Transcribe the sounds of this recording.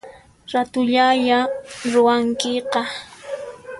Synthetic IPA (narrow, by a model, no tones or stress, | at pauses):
ɾat̪ʊʎaʎaɾʊwaŋkɪqɑ